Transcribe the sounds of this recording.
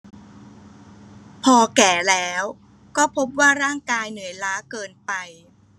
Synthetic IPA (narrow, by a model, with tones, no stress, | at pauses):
pʰɔː˧kɛː˨˩˦lɛː˦˥w | kɔː˥˩pʰo˦˥p̚waː˥˩ɾaː˥˩ŋkaː˧jnɯ˩˦əjlaː˦˥kɤː˧npa˧j